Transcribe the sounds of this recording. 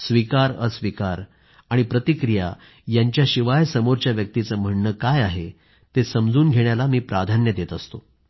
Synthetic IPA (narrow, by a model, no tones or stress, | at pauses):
sʋikaɾəsʋikaɾ | aɽ̃ipɾət̪ikɾija̰ | jaɲt͡ɕjaɕiʋajsəmoɾt͡ɕjaʋjək̚t̪it͡səm̤əɳːəkajaɦe | t̪esəmd͡zuːnɡʱeɳ̃jalamiːpɾad̪ʱanjəd̪et̪əst̪o